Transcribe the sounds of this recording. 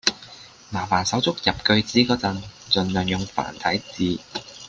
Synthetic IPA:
maː˨˩faː˨˩nsɐ˨˥wt͡sʊ˥k̚jɐ˨p̚kɵ˧ɥt͡siː˨˥kɔː˧t͡sɐ˧ŋt͡sɵ˨nlœː˨˩ŋjʊ˨ŋfa̰ː˨˩nt̪ʰɐ˨˥jt͡siː˨˧

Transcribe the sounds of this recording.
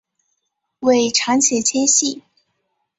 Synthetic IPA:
we˥˩ɪʈ͡ʂʰɑ˧˥ŋt͡ɕʰjɛ˧˥t͡ɕʰjɛ˥nɕi˥˩

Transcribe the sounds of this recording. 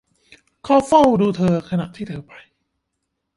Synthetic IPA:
kʰɔː˧fa˥˩wduː˧t̪ʰɤː˧kʰa˧na̰˨˩ʔt̪ʰiː˥˩t̪ʰɤː˧pʰa˧j

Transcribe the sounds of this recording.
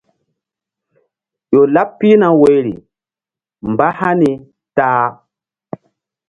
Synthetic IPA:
ʄo˨la˦pːi˦na˨wo˨jɾḭ˨ | m˨ba˦ha˦ni˨ | taː˦

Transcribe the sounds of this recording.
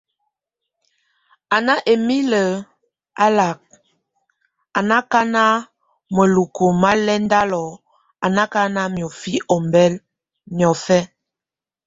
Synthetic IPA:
a˨na˦ʔe˨mi˦lə˨ | a˦la˨k̚ | a˨na˦ka˦na˦ | mə˨lu˨ko˨ma˦lɛ˦n˦da˦lɔ˨ | a˨na˦ka˦na˦mjɔ˨fi˦ʔɔ˨mbɛ˦l | mjɔ˨fɛ˦

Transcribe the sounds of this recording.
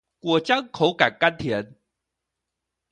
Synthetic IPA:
kwɔ˨˩t͡ɕja˥ŋkʰo˨˦wka˨˩kkːa˥nt̪ʰjɛ˨˦n

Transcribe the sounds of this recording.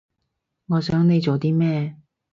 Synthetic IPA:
ŋɔː˨˧sœː˨˥ŋne˨˧jt͡so˨t̪iː˥mɛː˥˨

